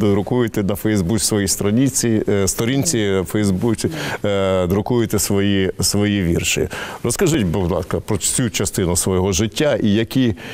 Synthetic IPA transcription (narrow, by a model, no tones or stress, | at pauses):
d̪d̪ɾʊkujʊt̪ɪnɐfɛjzbukʲsʋɔjist̪ɾɐnʲit͡sʲist̪ɔɾʲinʲt͡sʲifɛjzbut͡sʲi | d̪ɾʊkujʊt̪ɛsʋɔjisʋɔjiʋʲirʃɪrɔskɐʒɪtʲbʊwlˠɑ̰skɐpɾɔt͡sʲut͡ʃɐst̪ɪnʊsʋɔjɔɦɔʒɪtʲːaʔijɐkʲi